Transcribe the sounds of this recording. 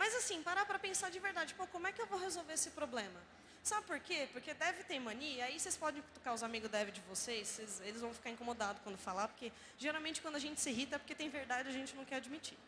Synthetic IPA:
mɐjzasĩpaɾapɾɐpẽsad͡ʒɪveɾd̪ad͡ʒɪpokõmʊɛkɪewvowɦezowveɾesɪpɾoblẽmɐ | sabɪpoɾkepoɾked̪ɛvɪt̪ẽɾmɐ̃niiaisespɔd̪ẽj̃kt̪u̥kaʊzamiɡʊd̪ɛvɪd͡ʒɪvosesːezelɪzvɐ̃w̃fi̥kaɾɪĩŋkomod̪ad̪ʊkwɐ̃nd̪ʊfalapoɾke | ʒeɾawmẽnt͡ʃɪkwɐ̃nd̪ʊaʒẽnt͡ʃɪ̥sɪɦit̪ɐpoɾket̪ẽj̃veɾd̪ad͡ʒɪaʒẽnt͡ʃɪnɐ̃w̃kɛɾad͡ʒɪmit͡ʃiɾ

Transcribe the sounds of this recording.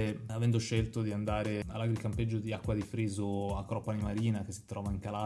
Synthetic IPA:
avɛnd̪oʃelt̪od̪iand̪aːɾealːaɡɾikamped͡ʒːod̪iakːwad̪ifɾiːzoakːɾɔpːanimaɾiːnak̟esːi̥t̪ɾɔːvaiŋkala

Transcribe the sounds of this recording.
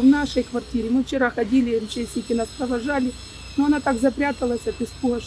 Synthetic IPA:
vnaʂəjkʋɐrtʲiɾʲɪmɨft͡ɕɪɾaxɐdʲilʲɪmʲt͡ɕesʲnʲɪkʲɪnaspɾɐʋɐʐalʲɪ | noɐnat̪aɡzɐpɾʲat̪ɐlˠɐsʲɐt̪ɪspuɦɐ

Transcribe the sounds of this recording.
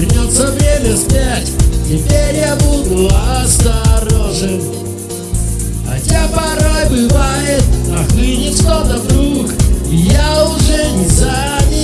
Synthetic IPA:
ɾʲɪnʲot̪səvɾʲemʲəspʲatʲtʲɪpʲeɾʲjabud̪ʊɐst̪ɐɾoʐɨm | ɐ̰tʲapɐɾajbɨvajɪt̪ɐxlinʲɪʂt̪ot̪ɐd̪ɾukijaʊʐɛnʲɪza | nʲɪ

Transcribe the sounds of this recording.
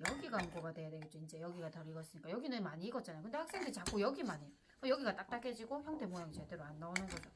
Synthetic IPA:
jʌɡiɡamɡoɡade̞jadeit͡ɕ͈oind͡ʑe̞jʌɡiɡatʌɾiɡʌs͈ɯɲik͈ajʌɡinɯnmaɲiːɡʌt̚t͡ɕ͈anajokɯnde̞hak̚s͈eŋdet͡ɕak͈ojʌɡimaɲi | kjʌɡiɡat͈ak̚t͈ak͈ʰed͡ʑiɡoçjʌŋde̞mojaŋd͡ʑiadeɾoanːaonɯnɡʌd͡ʑo

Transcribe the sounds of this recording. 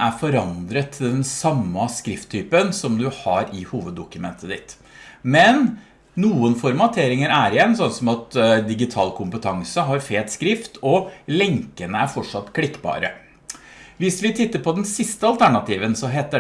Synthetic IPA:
æɾfɔɾɑnd̪ɾət̪ʰːɪld̪ɛnsɑmːɑskɾɪft̪ʰːyːpənsɔmd̪ʉhɑɾɪhuːʋəd̪ːʊkʉmɛ̰nt̪ʰəd̪ɪt̪ | mɛnː | uːənfɔɾmɑt̪ʰeːɾɪŋəɾæɾɪjɛnːsɔnsɔmɑt̪d̪ɪɡɪt̪ʰɑ̰ːlkʰʊmpət̪ʰɑŋsəɦɑɾfeːt̪skɾɪft̪ʰɔlɛŋkənəæɾfɔʈʂɑt̪ːkʰlɪkːbɑ̰ːɾə̰ | ʋɪsʋɪt̪ʰɪt̪ːəɾpɔd̪ɛnsɪst̪əɑlt̪ʰæɳɑt̪iːʋənsɔɦeːt̪ə

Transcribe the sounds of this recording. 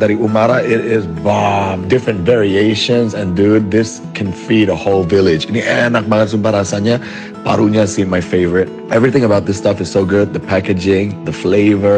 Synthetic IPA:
d̪aɾiʔumaɾaʔɪɾɪzbamdɪfɹɨ̃ntvɛɹieɪʃə̃nzɨ̃ndud̪̚ðɪs | kʰɨ̃nfiɾəhoʊlˠvɪlˠɪd͡ʒɨ̃niɛnak̚maansũmpaɾasaɲa | pa̰ɾuɲḁsĩmmaɪfeɪvəɹɨt̚ɛvɹiθɪ̃ŋəbaʊt̪̚ðɪstʌfɨz̥soʊɡʊd̪̚ðəpʰækɨd͡ʒɪ̃ŋðəfleɪvə˞

